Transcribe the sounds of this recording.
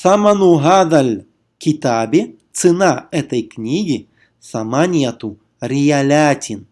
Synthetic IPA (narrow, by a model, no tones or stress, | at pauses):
samanuɦaðalʲ | kʲit̪abʲet̪sɨnaɛt̪ɐjknʲiɡʲi | samanʲijat̪u | ɾʲijalʲat̪ʲin